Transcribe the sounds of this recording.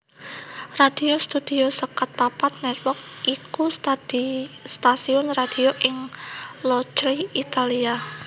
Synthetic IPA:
rad̥iost̪ud̥iosəkat̪̚papat̪̚nɛt̪wɔk̚ | ʔikust̪ad̥ist̪asiʊnrad̥ioʔɪŋlot͡ʃliit̪alia

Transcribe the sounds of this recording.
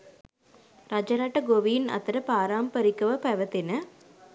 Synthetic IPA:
ɾad͡ʒɐɾaːʈːɐɡoʋijnɐ̰t̪ːɐɾɐpaːɾaːmpɐɾikːɐʋɐpɐʋɐt̪ːinɐ

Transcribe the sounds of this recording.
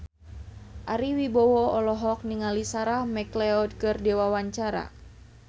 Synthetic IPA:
ʔaɾiwibɔwɔɔlɔɦɔk̚niŋalisaɾahmɛklɛɔd̚kɨrdewawaɲt͡ʃaɾa̰

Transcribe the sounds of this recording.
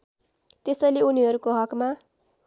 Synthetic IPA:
t̪esʌjleuniɦʌɾukoɦʌkma

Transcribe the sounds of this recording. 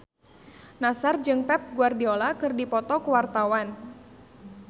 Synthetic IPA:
nasard͡ʒɨŋpɛp̚ɡuardiɔlakɨrdipɔt̪ɔkəwart̪awan

